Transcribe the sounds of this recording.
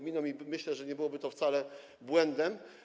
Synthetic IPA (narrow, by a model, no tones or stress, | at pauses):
mʲinɔmimɘɕlɛʐɛɲɛbɘwɔbɘt̪ɔft̪salɛ | bwɛnd̪ɛm